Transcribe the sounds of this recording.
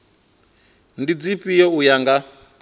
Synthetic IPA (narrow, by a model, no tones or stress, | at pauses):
ndid͡zipijɛujaŋɡa